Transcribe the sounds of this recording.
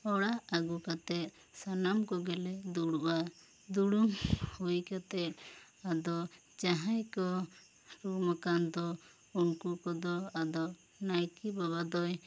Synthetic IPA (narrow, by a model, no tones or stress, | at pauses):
ɔɽaaɡukat̪ɛt̪̚ | sanamkɔɡɛlɛd̪uɽuʔa | d̪uɽumhujkat̪ɛt̪̚ | ad̪ɔ | d͡ʒaɦajkɔ | ɾuɾmakand̪ɔ | unkukɔd̪ɔad̪ɔ | najkibaβad̪ɔj